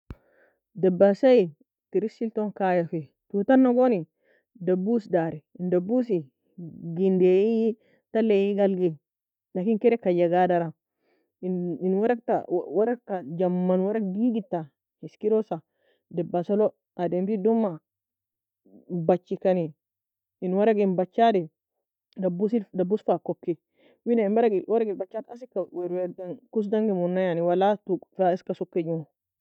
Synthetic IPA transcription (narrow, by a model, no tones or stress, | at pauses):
dɛbːasaji | tiɾisilt̪oŋkajafe | tut̪anːaɡoni | dɐbusdaɾɛndɐbusi | ɡindeji | talːejiɡɐlɡe | nakiŋkɛɾɛkajaɡadaɾa | inwaɾakta̰waɾakːad͡ʒɐmːanwɐɾakɡiɡitːa | hiskiɾɔsa | dɛbasɔlɔ | ʔadɛmtidɔmːa | bat͡ʃːikaniː | nwaɾaɡinbat͡ʃːadɛ | dabusidabusfakɔkːɛ | winaimbaɾaɡiwaɾaɡilbat͡ʃːadasikːawɛɾwɛɾɡankus̬daŋɡimunːajaniwalatufaiskasɔkːed͡ʒumɔ